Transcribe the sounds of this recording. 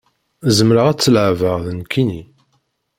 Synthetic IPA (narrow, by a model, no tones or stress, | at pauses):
zəmɾəʁæt͡sːəlʕvəʁðənkʰːini